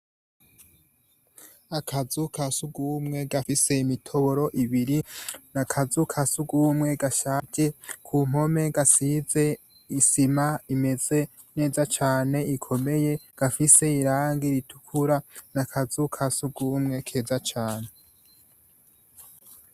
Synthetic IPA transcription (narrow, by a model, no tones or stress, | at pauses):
akʰazukasuɡuːmŋe̞ɡafise̞imitʰo̞βo̞ɾo̞ʔiβiɾinakʰazukʰasuɡuːmŋe̞ɡaʃaɟe̞kʰum̥o̞me̞ɡasize̞ | isimaime̞z̥e̞ | ne̞ːzat͡ʃaːne̞ikʰo̞me̞je̞ɡ̥afise̞iɾaːŋɡiɾitʰu̥kʰuɾanakʰazukʰasuɡuːmŋe̞kʰe̞ːzat͡ʃaːne̞